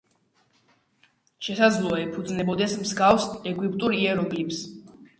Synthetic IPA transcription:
ʃɛsad̪zlˠɔaɛpʰud̪znɛbɔd̪ɛsmzɡafsɛɡwipʼt̪ʼuɾiɛɾɔɡlips

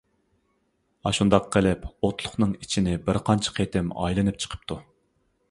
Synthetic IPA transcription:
ɑʃund̪ɑqqːəlɪpot̪lˠʊχnɨŋit͡ʃʰinɪbɪɾqʰɑnt͡ʃʰɑ̥qʰet̪ɪmɑ̰jlˠɨnɨp̚t͡ʃʰə̥qʰə̥p̚t̪ʰu

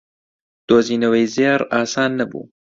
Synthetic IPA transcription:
d̪̥oːziːnɐwejzeːɾaːsaːnːɐbṵː

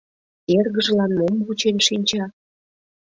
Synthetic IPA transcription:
erɣəʒlɑnmomβut͡ɕenʃinʲt͡ɕɑ

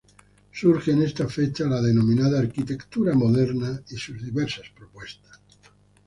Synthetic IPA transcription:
suɾxeːnest̪afet͡ʃalaðenomĩnaðaːɾkit̪ekt̪uɾamoðeɾnaisuzðiβeɾsaspɾopwest̪ḁs

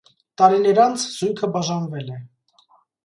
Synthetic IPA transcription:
t̪ɑɾinɛɾɑnt͡sʰz̥ujkʰəbɑʒɑnvɛlɛ

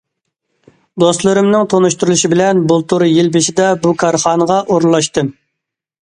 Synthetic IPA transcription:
d̪ost̪lˠɨɾɨmnɨŋt̪ʰonuʃt̪uɾulˠuʃibɪlɛnbulˠt̪ʰuɾɨjilbɪʃɪd̪ɛbukʰɑɾχɑːnəʁɑʔoɾlˠːɑʃt̪ɨm

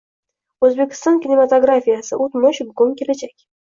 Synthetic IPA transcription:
ɵzbʲekʲɪ̥st̪ankʲinʲemat̪oɡrafʲijasəʔut̪moɕbɡoŋkʲelʲæd͡ʒɛkʲ

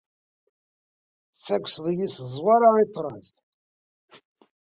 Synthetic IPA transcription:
t͡sːækʷsðˤjiszˤwɑɾait̪ˤːɾˤəθ

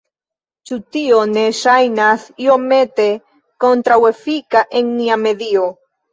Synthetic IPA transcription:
t͡ʃut̪ioneʃajnasiomet̪e | kont̪ɾawefikaʔeŋniameðio

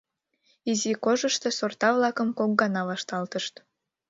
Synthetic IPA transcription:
izikoʒəʃt̪o̽sort̪ɑβlɑkəmkok̚ɡɑnɑβɑʃt̪ɑlt̪əʃt̪

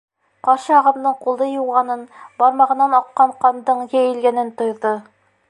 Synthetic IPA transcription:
qɑɾʃɤɑʁɤ̆md̪ɤɴqulˠd̪ɤjuwʁɑnɤnbɑɾmɑʁɤ̆nɑnɑqːɑɴqɑnd̪ɤɴjæjɘ̆lɡænɘnt̪ŏjðɤ

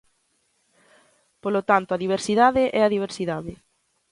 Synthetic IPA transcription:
polot̪ant̪ʊɐðiβ̞eɾsiðaðɪʔɛɐðiβ̞eɾsiðaðɪ

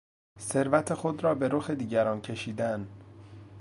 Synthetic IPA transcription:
se̞ɾvæt̪ʰe̞xod̪ɾɒːbe̞ɾoxe̞d̪iːɟæɾɒːncʰe̞ʃiːd̪æn

